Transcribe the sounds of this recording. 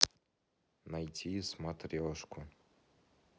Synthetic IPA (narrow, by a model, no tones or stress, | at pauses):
najtʲʰismat̪rʲelˠəʂkʷʰʊ